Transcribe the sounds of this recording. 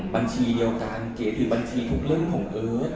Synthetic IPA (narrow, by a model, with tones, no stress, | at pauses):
ba˧nt͡ɕʰiː˧di˧əwkaː˧nkeː˨˩˦t̪ʰɯː˩˦ba˧nt͡ɕʰiː˧t̪ʰu˦˥k̚lɯ˥˩˨ŋkʰɔː˨˩˦ŋʔɤː˧˦